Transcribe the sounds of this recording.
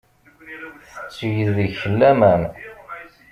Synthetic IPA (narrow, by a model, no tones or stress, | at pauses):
θə̥t͡sːjəððiçəlːæmæn